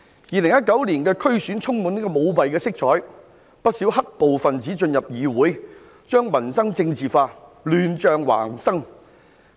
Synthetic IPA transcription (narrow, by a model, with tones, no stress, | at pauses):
jiː˨˧lɪ˨˩ŋjɐ˥t̚kɐ˨˥wliː˨˩nkɛː˧kʰɵ˥ɥsyː˨˥nt͡sʰʊ˥ŋmu˨˧niː˥kɔː˧mo˨˧wpɐ˨jkɛː˧sɪ˥k̚t͡ʃʰɔː˨˥j | pɐ˥t̚siː˨˥wɦɐ˥k̚po˨wfɐ˨nt͡siː˨˥t͡ʃɵ˧njɐ˨p̚jiː˨˧wuː˨˥j | t͡ʃœː˥ŋmɐ˨˩nsɐ˥ŋt͡sɪ˧ŋt͡siː˨faː˧lyː˨˧nt͡ʃœː˨ŋwa̰ː˨˩ŋsɐ˥ŋ